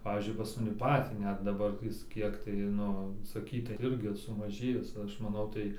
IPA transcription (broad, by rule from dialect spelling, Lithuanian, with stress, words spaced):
ˈpɑːʋʲiːzʲd͡ʒʲʊɪ pɐs mɐˈnʲɪ ˈpɑːtʲiː ˈnʲɛt dɐˈbɐr ˈjɪs ˈkʲiɛk tɐɪ ˈnʊ sɐˈkʲiːtɐɪ ˈɪrʲɡʲɪ sʊmɐˈʒʲeːjɪs ˈɐʃ mɐˈnɐʊ tɐɪ